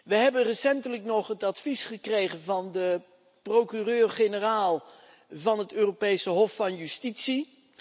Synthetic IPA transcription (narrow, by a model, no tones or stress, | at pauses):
ʋəɦɛbənrəsɛntələknɔχɦətɑtfisχəkrejχənvɑndə | prowkyrøːrχenəraːlˠ | vɑnɦətøːropejsəɦɔfːɑnjystitsi